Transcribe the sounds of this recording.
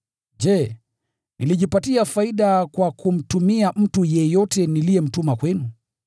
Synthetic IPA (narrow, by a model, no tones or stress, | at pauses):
d͡ʒɛ | nʔiliʄipatiafaiɗakwakʰum̩tumiam̩tujɛjɔtɛnilijɛm̩tumakwɛnu